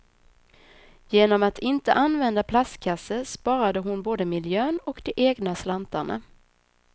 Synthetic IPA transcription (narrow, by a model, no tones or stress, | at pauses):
jeːnɔmat̪ʰɪnt̪ə̰ʔanvɛnd̪apʰlaskʰasːəspɑːɾad̪əɦʊnboːd̪əmɪljøːnɔkd̪ɛʔeːɡnaslant̪aɳa̰